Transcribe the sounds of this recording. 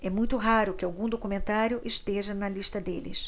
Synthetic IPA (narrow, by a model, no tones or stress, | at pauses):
ɛmũj̃t̪ʊɦaɾʊkɪawɡũd̪okumẽnt̪aɾjʊʔɪʃt̪eʒɐnɐliʃt̪ɐd̪ḛlɪ̰s